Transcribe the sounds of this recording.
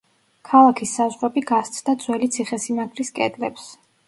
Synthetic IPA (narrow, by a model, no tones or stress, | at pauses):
kʰalˠakʰisːazʁɾɔbiɡast̪sʰd̪ad̪z̥wɛlit̪sʰiχɛsimaɡɾiskʼɛ̰d̪lɛps